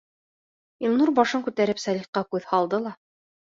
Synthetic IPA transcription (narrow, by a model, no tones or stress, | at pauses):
ilˠnuɾbɑʃɤŋkʉt̪æɾɘpsælʲiχqːɑkʉðhɑlˠd̪ɤlˠɑ